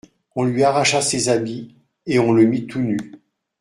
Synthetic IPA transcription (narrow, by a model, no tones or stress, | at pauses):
ɔ̃lɥiaʁaʃasezabi | eɔ̃ləmit̪ʰuny